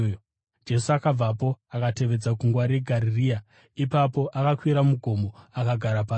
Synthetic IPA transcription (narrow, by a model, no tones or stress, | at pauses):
d͡ʒe̞suakab͡vapo̞akate̞ʋe̞d͡zakuŋɡwaɾeɡʱaɾiriːa | ipapo̞ʔakakwiɾamuɡʱo̞mbo̞akaɡʱaɾapa